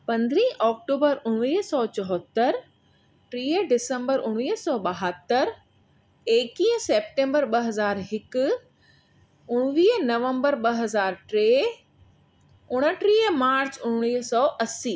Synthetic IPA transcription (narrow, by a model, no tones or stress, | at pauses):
pɐ̃nd̪ɾĩːʔɔːk̚ʈoːbəɾʊɽ̃iːɦsɔːt͡ɕɔɦɔt̪ːəɾ | ʈɾiːəɖɪsə̃mbəɾʊɽ̃iːɦsɔːɓɐɦət̪ːəɾ | eːkĩːseːp̚ʈẽːmbəɾɓɐɦɐzaːɾɦɪk̆ | ʊɽ̃ʋiːɦnɐʋə̃mbəɾɓɐɦɐzaːɾʈɾeː | ʊɽ̃əʈɾiːəmaːɾt͡ɕʊ̃ɽ̃iːɦsɔːʔɐsiː